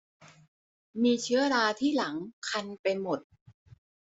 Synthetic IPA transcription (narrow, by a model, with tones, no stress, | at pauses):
miː˧t͡ɕʰɯ˦˥ɐɾaː˧t̪ʰiː˥˩la˩˦ŋkʰa˧npa˧jnmo˨˩t̪̚